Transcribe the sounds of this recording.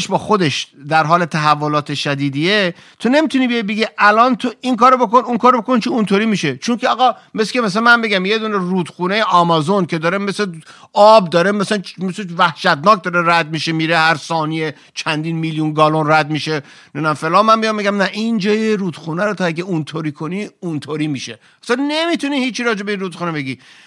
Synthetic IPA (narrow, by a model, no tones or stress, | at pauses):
ʃbɒːxo̞d̪eʃd̪æɾɦɒːle̞t̪ʰæɦævːolɒːt̪ʰeʃæd̪iːd̪ie | t̪ʰone̞mit̪ʰuniːbejet̪beɡiʔælɒːnt̪ʰoiŋkɒːɾobokonuŋkʰɒːɾobo̞kont͡ʃʰiunt̪ʰoɾiːmiːʃet͡ʃʰoŋkʰeɒɣɒ | meskemæs̬ænmæmbeɡʲæmjed̪uːneruːd̪̥xuːnejeʔɒmɒzonkʰe̞d̪ɒːɾemese | ɒːb̚d̪ɒːɾemæslænmesevæhʃæt̪̚nɒːk̚d̪ɒɾeɾæd̪̚miʃemiːɾehæɾsɒːnie | t͡ʃʰænd̪inmiljunɡɒːlonræd̪miʃe | nenæmfelɒːnmænmijɒmbeɡʲæmnæʔind͡ʒɒːjeɾuːd̪̥xuːnæɾot̪ʰɒæɡʲeunt̪ʰoɾiːkʰoniunt̪ʰoɾiːmiʃe | ɒsænnemit̪ʰuniːhiːt͡ʃʰːiɾɒːd͡ʒe̞be̞ĩnɾuːd̪xuːnebeɡiː